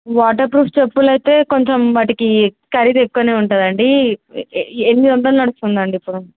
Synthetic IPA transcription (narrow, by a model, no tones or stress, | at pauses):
ʋaːʈ̬ɐɾpɾuːpʰt͡ʃepːulɐjt̪e̞ːko̞ɲt͡ʃemʋaːʈikikɐɾid̪ekːɐneːuɳʈuːd̪ɐɳɖi | enːid̪ɐnt̪ɐnnɐɽust̪und̪ɐɳɖiːpːuɽu